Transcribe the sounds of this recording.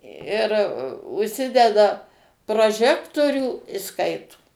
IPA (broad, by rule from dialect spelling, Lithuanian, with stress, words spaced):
ɪr ʊʃʲˈsʲɪdʲɛdɐ proːˈʒʲæːktoːrʲuː ɪ ˈskɐɪtoː